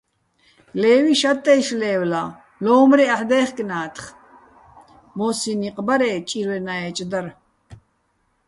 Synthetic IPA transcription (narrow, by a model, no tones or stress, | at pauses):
lɛːwiʃat̪ʼːɛjʃlɛːwla | lɔːmɾiaħd̪ɛːχkʼnaːt̪ʰχ | mɔːsiniqʼbaɾɛːt͡ʃʼiɾwɛnaɛt͡ʃʼd̪aɾ